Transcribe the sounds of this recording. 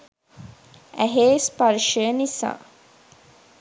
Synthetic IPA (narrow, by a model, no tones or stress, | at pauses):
æɦeːspɐɾʃəənisa̰ː